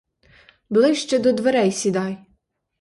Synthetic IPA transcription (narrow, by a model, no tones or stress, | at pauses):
blˠɪʃt͡ʃɛd̪ɔd̪ʋeɾɛjsʲid̪ɑj